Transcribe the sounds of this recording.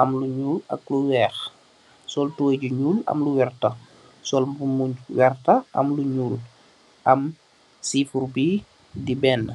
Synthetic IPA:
ʔɐmluɲuːlɐ̰kluwɛːx | sɔltuwɛɟuɲuːlɐ̰mluwɛrtɐ | sɔlbumuɲwɛrtɐʔɐ̰mluɲuːl | ʔɐm | siːfurbiː | dibɛːnː

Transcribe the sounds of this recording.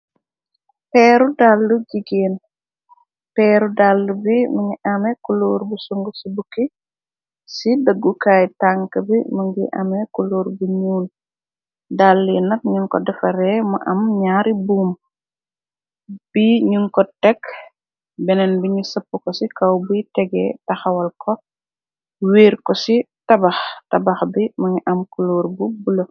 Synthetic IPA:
pɛːɾudalːuɟiɡeːn | pɛːɾudalːubiməŋiʔɐmɛkuluːɾbusuŋɡusibuki | sidəɡːukaːjtaŋkəbiməŋɡiʔɐ̰mɛkuluːɾbuɲuːl | dalːinɐk̚ɲuŋkɔ̰dɐfɐɾɛmɐ̰ʔɐmɲaːɾibuːm | b̥iɲuŋkɔtɛk | bɛnɛnbiɲusɐpːukɔsikɐwbutɛɡɛ̰tɐxɐwɐlkɔ | wiːɾkɔsitɐbɐxtɐbɐxbimɐŋɡiʔɐmkuloːɾbubulɐ

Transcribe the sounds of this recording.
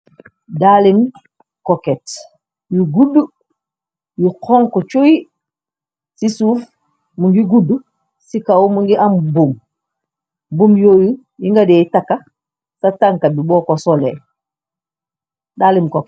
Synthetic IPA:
dalim | koket | juɡudu | juqʰoːŋkot͡ʃoi | sisuːf | muŋɡiɡudu | sikawumuŋɡiʔambum | bomjoju | jiŋɡadeitakːa | sataŋkabibɔːkosolḛ | daːlimkok

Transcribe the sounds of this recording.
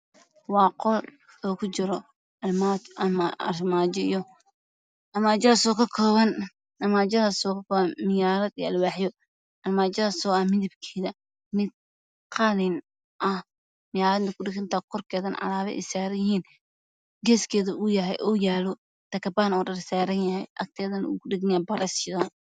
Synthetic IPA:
wɑːqɔl | ɔːkʰʊt͡ʃɪɾɔ | ɐlmat͡ʃɐmaɐ̰rmaːd͡ʒɪjɔ | ɐmaːd͡ʒɐɐsɔːkʰɐkʰɔːβɐn | ɐmaːd͡ʒɐðɐsɔːkʰɐkʰɔːβɐnmɪjaːɾɐd̪ijɐlwaːħjɔ | ɐlmaːd͡ʒɐðɐsɔːɐmɪðɪbkʰɛːðɐ | nɪd | qʰɑlɪn | ʔɐh | mɪjaːɾɐd̪nt̪ɐkʰʊɖɪɡɐnt̪ʰaːqɔrkʰɛːðɐnʕɑ̰laːβɛ̰ʔɛ̰jsaːɾɐjɪhiːn | ɡɛːskʰɛːðɐʔʊjɐɦɛ̰jʔɔːjaːlɔ | t̪ɐkʰɐbaːnɔːɖɐrsaːɾɐnjɐhɛjʔɐ̰k̚t̪ʰɛːðɐnɐṵːkʰʊɖɪɡɐnjɐbɐɾɛsɪðan

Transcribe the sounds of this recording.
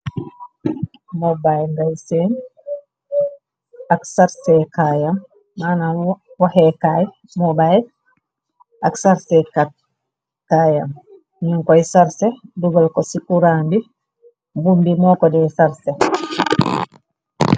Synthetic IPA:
mɔbajŋɡajsen | aksaɾsɛkajamː | anawahɛkaj | mɔbaj | ʔaksaɾsɛka | kajam | ɲuŋkɔjsaɾsɛduɡɔlkɔsikuɾambi | bumbimɔkɔdɛsaɾsɛ

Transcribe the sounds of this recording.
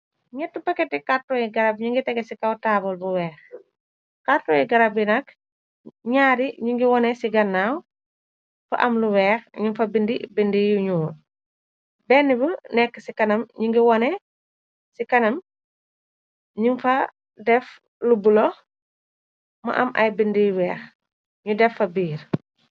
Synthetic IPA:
ɲɛtːupɐkɛtːikatːɔjiɡɐɾabɲuŋɡitɛɡɛsikɐwtaːbɔlbuwɛːx | kaɾtːɔjɛɡɐɾɐbinɐk | ɲaːɾiɲuŋɡiwɔnɛsiɡɐnːaw | fɐ̰ʔɐmluwɛːxɲinfɐbindibindijuɲuː | bɛnːibənɛkːəsikɐnɐmɲuŋɡiwɔnɛ | sikɐnɐm | ɲunfɐ | dɛf | lubulɔ | mɐ̰ʔɐ̰mʔɐ̰jbindijuwɛːx | ɲudɛfːɐbiːɾ

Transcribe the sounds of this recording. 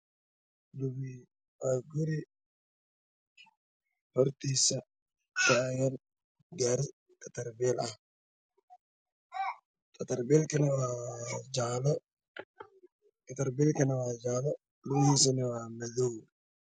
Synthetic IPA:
d̪ubi | aɡʊɾɪ | hɔɾt̪isɐ | tajɐn | ɡaɾ | t̪ʼɐt̪ɐɾbeːlɐ | t̪ʼɐt̪ɐɾbelkɐnɐwaːd͡ʒaːlɐ | kʼɐt̪ɐɾbeːlkɐnɐwaːd͡ʒaːlɐ | luhɪsɐnɪwaːmɐduː

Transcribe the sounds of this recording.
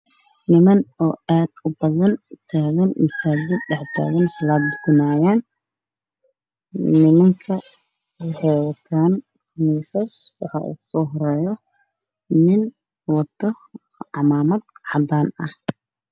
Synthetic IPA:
nɪmɐnɔːaːd̪̥ʊbɐðɐnt̪ʰaːɣɐnmɐsaːd͡ʒɪd̪ɖɛħd̪a̰ːɣɐnsɐlaːd̪ɡʊnaːjaːn | nɪmɐŋkʰɐ | wɑħɑjwɐt̪ʰaːn | fnisɐswɑħɑ̰ːʔṵːsɔːɦɔɾɛːjɔ | nɪn | wɑt̪ʰːɔ | ʕɑmaːmɐd̪ʕɑd̪aːnɐh

